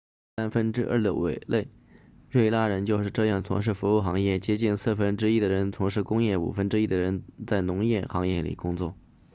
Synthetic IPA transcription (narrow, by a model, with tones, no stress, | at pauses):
sa˥nfə˥nʈ͡ʂɻ̩˥ʔə̰˞˥˩d̪ə̰˧˩wʔḛ˨˩ɪle˥˩ɪ | ɻwe˥˧ɪla˥ɻə˧˥nt͡ɕjo˥˧ʊʂɻ̩˥˧ʈ͡ʂɤ˥˧jɑ˥˩ŋt͡sʰʊ̰˧˥ŋʂ̬ɻ̩˥˩fu˧˥u˥˩xɑ˧˥ŋjɛ˥˩t͡ɕjɛ˥t͡ɕi˥˧nsɹ̩˥˩fə˥nʈ͡ʂɻ̩˥i˥d̪ə˩ɻə˧˥nt͡sʰʊ˧˥ŋʂ̬ɻ̩˥˩kʊ˥ŋjɛ˥˩ṵ˨˩fə˥nʈ͡ʂɻ̩˥i˥˩d̪ə˨ɻə˧˥nt͡sa˥˩ɪnʊ˧˥ŋjɛ˥˩xɑ˧˥ŋjɛ˥˩lḭ˨˩kʊ˥ŋt͡swɔ˥˩